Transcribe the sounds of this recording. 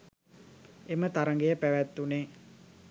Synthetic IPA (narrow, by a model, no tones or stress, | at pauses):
emət̪aɾəŋɡejəpæʋæt̪ːune